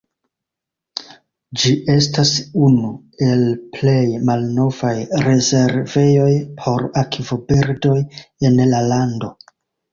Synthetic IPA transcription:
d͡ʒiʔe̞stasunu | e̞lple̞jmalno̞vajɾe̞ze̞ɾve̞jo̞jpʰo̞ɾakivobiɾdo̞je̞nlalando̞

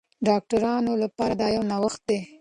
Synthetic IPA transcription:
ɖɑk̚ʈaɾɑnolapɑɾad̪ɑjawnawaxt̪̚d̪e

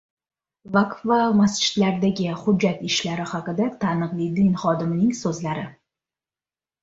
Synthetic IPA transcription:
vakvamast͡ʃʰɪ̥d̪laɾd̪aɡʲɪhʊd͡ʒːat̪ɪʃlaɾɪhɑqɨd̪at̪ʰanɨqlˠid̪ɪnχɒd̪ɪmnɪŋsɵzlaɾɪ

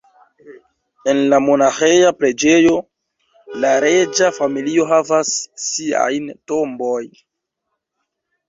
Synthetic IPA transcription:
e̞nlamo̞naxejapɾe̞d͡ʒe̞jo̞ | laɾe̞d͡ʒafamilio̞ɦavasːia̰jntombo̞j

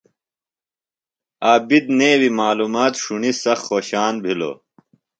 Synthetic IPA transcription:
aːbid̪neːwimaːluːmaːt̪ʂunisɐxːoːɕaːnbʱilo̰ː

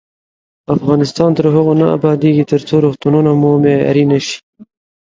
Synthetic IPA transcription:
afɣɑnɪst̪ɑnt̪əɾɦʊɣonaa̰bɑd̪eɡit̪əɾt͡soɾuxt̪ununamomea̰ɾinaʃi̥

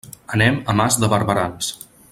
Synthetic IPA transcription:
ənɛməmazðəβəɾβəɾans

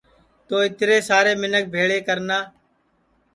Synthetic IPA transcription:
t̪oːɪt̪ɾeːsaːɾeːmɪnək̚bʱeːɭeːkəɾnaː

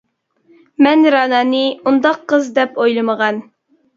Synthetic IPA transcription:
mɛnɾɑnɑːnɨund̪ɑqʰːəzd̪ɛpojlˠəməʁɑn

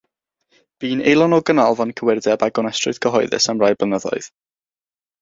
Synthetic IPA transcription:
b̥iːnejlˠɔnɔɡənɔlˠvɔnkʰəwɪrdɛbaɡɔnəstrʊ̰ð̥kʰəɦɔjðɪ̰səmrajblənəðɔ̰ɨð̥

